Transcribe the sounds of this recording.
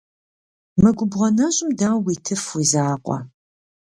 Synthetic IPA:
mɨɡʷʊbʁɐnɐɕʼɪmdawiːtʰɨfwizaːqʷʼɔ̰

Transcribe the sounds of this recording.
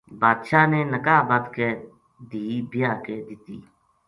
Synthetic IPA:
baːd̪ʃaːneːnəkaːbaːt̪keː | d̪iːbɪjaːkeːd̪ɪt̪ḭː

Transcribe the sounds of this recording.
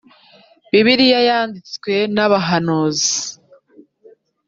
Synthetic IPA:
βiβiɾijajaːndit͡skwe̞naβaɦanoːzi

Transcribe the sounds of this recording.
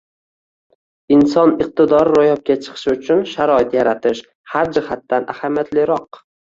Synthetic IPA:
ɪnsɒnɪq̚t̪ɪd̪ɒɾːojɒp̚kʲat͡ʃʰɨ̥qʰɨ̥ʃɪʊt͡ʃʰʊnʃaɾɒɪt̪jaɾat̪ʰɪʃ | haɾd͡ʒɪhat̪ːanʔahamjat̪lɪɾɒq

